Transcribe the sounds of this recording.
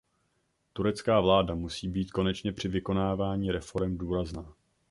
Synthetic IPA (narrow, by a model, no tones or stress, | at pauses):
t̪uɾɛt͡skaːvlaːdamusiːbiːt̪ko̞nɛt͡ʃɲɛpr̥ɪvɪko̞naːvaːɲiːɾɛfo̞ɾɛmduːɾaznaː